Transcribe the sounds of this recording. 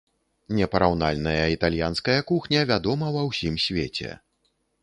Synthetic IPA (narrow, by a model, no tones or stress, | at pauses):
nʲɛpɐɾawnalʲnɐjɐit̪alʲjanskɐjɐkuxnʲɐvʲad̪ɔmɐwɐwsʲimsʲvʲet͡sʲɛ̰